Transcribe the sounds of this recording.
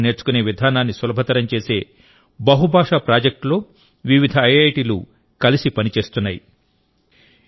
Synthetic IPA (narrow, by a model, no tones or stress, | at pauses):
ne̞ːɾt͡ʃu̥kune̞ːʋid̪ʱaːnaːnːisʋɐlɐbʱɐt̪ɐɾɐmt͡ʃe̞ːse̞ː | bɐɦubʱaːʂaːpɾaːd͡ʒɐk̚ʈlo̞ː | ʋiʋid̪ʱɐɐjɐjʈiːlṵ | kɐlisipɐnit͡ʃe̞ːst̪unːaːji